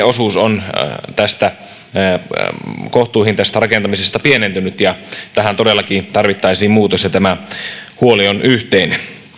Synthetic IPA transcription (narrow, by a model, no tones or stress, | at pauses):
osuːsont̪æst̪æ | koht̪uːhint̪æst̪ærɑkent̪ɑmisest̪ɑpienent̪ynyt̪jɑt̪æɦænt̪odelːɑkit̪ɑrʋit̪ːɑisiːmmuːt̪osjɑt̪æmæhuolionʔyht̪eine